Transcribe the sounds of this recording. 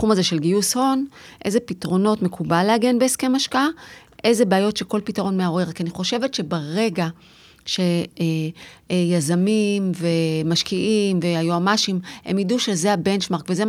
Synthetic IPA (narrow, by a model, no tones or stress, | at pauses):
χumazeʃe̞lɡiusho̞nʔe̞zepitʁo̞no̞tme̞kʰubalːeaɡe̞nbeːske̞maʃkaaʔe̞jzebeajo̞tʃeko̞lpitaʁo̞nmeaʁe̞ʁkianiχo̞ʃe̞vetʃe̞baʁe̞ɡa | ʃe̞ | jazamimve̞maʃkiʔimveajuamaʃimhḛmjiduʃe̞zeabe̞nt͡ʃmaʁkveze